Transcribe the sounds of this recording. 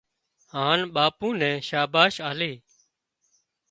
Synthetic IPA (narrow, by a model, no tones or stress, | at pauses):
hãːnɓaːpũːnɛ̃ːʃaːbaːʃaːleː